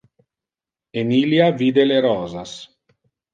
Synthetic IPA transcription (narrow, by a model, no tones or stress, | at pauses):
eniljaviːd̪eleɾɔːzas